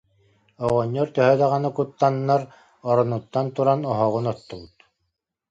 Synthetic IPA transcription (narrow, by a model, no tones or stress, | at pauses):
ɔʁɔɲːɔɾt̪œɦœd̪aʁanɯkut̪ːanːaɾ | ɔɾɔnut̪ːant̪uɾanɔɦɔʁunɔt̪ːɔɡut̪